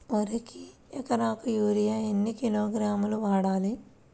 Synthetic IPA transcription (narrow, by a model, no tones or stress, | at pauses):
ʋɐɾikiɐkɐnaːkujuːɾijaːenːikiloːɡɾaːmuluʋaːɽaːli